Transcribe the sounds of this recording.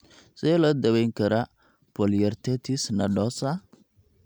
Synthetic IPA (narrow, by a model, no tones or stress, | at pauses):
sɛlɔd̪ɐβɛjŋkʰɐɾɐ | pʰɔljɐrt̪ʰɛt̪ʰɪsnɐɖɔːsɐ